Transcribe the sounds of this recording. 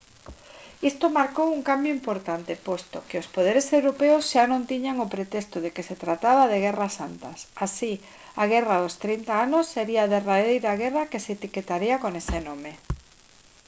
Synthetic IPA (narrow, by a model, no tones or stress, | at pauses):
ist̪omaɾkowuŋkambjoʊimpoɾt̪ant̪epost̪okɪospoðeɾesewɾopeosʃanõnt̪iɲaŋopɾet̪ɛst̪oðekeset̪ɾat̪aβaðeɣ̞ɛrasant̪asasi | aɣɛraðost̪ɾint̪aanosːeɾiaːðeraðejɾaɣɛrakeseːt̪iket̪aɾiakonesenome